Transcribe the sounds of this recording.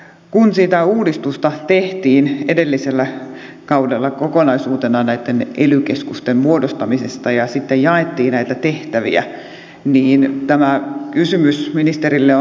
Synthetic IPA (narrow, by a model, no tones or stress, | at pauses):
kunsit̪æuːdist̪ust̪ɑt̪eht̪iːnedelːiselːæ | kɑudelːɑkokonɑisuːt̪enɑnæit̪ːenʔelykeskust̪emmuodost̪ɑmisest̪ɑjɑsit̪ːejjɑet̪ːiːnæit̪æt̪eht̪æʋḭæ̰ | niːnt̪æmækysymysminist̪erilːeo